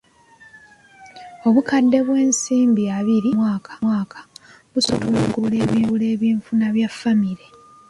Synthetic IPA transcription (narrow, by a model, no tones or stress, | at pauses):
o̞βukadːe̞βwe̞ːnsiːmbiaβiɾimwaːkʰḁwaːkʰḁ | βusutuloɡuβule̞ːβiːβule̞ːβiːɱfunaβjafːamiɾe